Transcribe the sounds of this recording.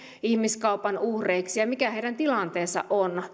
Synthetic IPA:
ihmiskɑupɑnuhreiksijɑmikæheijdænt̪ilɑnt̪eːsːɑ̰ʔon

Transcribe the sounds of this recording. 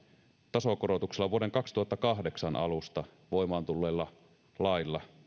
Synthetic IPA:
t̪ɑsokoɾot̪ukselːɑʋuoɾe̞ŋkɑksi̥t̪uhɑt̪ːɑkɑɦdeksɑnʔɑ̰lust̪ɑ | ʋoimɑːnt̪ulːeːlːɑ | lɑilːɑ

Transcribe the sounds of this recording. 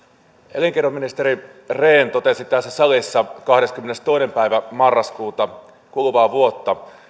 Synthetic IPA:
eliŋkeomːinist̪eɾi | reːnt̪ot̪esit̪æsːæsɑlisːɑkɑhɾeskymːenest̪o̞inempæiʋæmɑrːɑskuːt̪ɑ | kulʋɑːʋuot̪ːɑ

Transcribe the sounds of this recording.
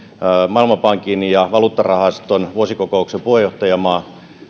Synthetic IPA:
mɑilmɑpɑŋkinjɑʋɑluːt̪ːɑrɑhɑst̪onʋuosikokouksepuhejoht̪ɑjɑmɑː

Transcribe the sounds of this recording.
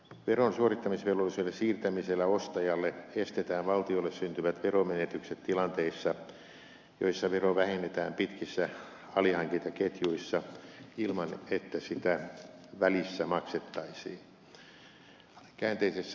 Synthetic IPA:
ʋeronsuorit̪ːɑmisʋelolːiselːessiːrt̪æmiselːæost̪ɑjɑlːeest̪et̪æːʋʋɑlt̪iolːessynt̪yʋæt̪ʋeromenet̪ykset̪t̪ilɑnt̪eisːɑ | jo̰isːɑʋeroʋæhinːet̪æːmpit̪kisːæ | ɑlihɑŋkit̪ɑket̪juisːɑilmɑnet̪ːæsit̪æʋælisːæmɑkset̪ːɑisḭːn | kæːnt̪eisesːæ

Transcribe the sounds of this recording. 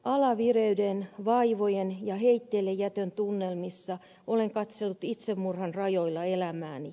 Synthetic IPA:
ʔɑlɑʋireydenʋɑiʋojenjɑheit̪ːeːlːejjæt̪ønt̪unːelmisːɑ | ʔoleŋkɑt̪selːut̪it̪semːurhɑnrɑjoilːɑelæmæːni

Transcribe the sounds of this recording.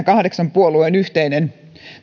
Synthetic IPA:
ɑkɑhdeksɑmpuoluenyht̪einen

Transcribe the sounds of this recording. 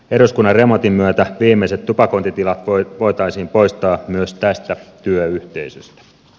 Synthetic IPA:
eɾoskunːɑrremo̞t̪imːyøt̪æʋiːmːeiset̪t̪ːupɑko̞nt̪it̪ilɑt̪ʋʋo̞jt̪ɑisiːmpo̞jst̪ɑːmyøst̪æst̪æt̪yøyht̪ḛisø̰st̪æ̥

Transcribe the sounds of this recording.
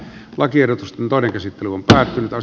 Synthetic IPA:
lɑkierˑot̪ust̪ent̪oˑeneŋkæsit̪ːelyompæːt̪ːynyt̪ɑ

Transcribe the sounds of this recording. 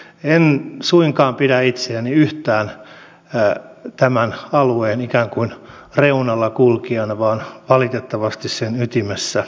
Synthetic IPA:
ensuiŋkɑːmpidæit̪seæniyht̪æːn | t̪æmænɑlueːnikæːŋkuinreunɑlːɑkulkiɑnʋɑːnʋɑlit̪et̪ːɑʋɑst̪issenyt̪imesːæ

